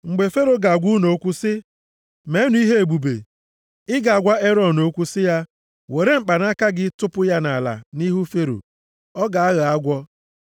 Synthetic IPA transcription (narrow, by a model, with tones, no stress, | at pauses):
ŋ͡m̩˨ɡ͡be˨fe˦ɾo˨ɡa˨ɡʷu˦no˨o˦kʷu˦sɪ˦ | me˨˦nu˨˦i˦ɦe˦e˨ɡ͡bu˨bḛ˨ | ɪ˦ɡa˨a˨ɡʷa˦e˦ɾɔ˦˨no˦kʷu˦sɪ˦ja˦ | we˨ɾe˦ŋ͡m̩˨k͡pa˨na˦ka˦ɡɪ˦tʊ˦pʊ˦ja˦na˨la̰˨ni˦ɦu˦fe˦ɾo̰˨ | ɔ˦ɡa˨a˦ɣa˦ɡʷɔ˦